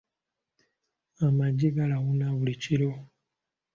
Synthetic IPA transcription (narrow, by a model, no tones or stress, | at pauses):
amad͡ʒiɡalaɣunaβulit͡ʃiɾo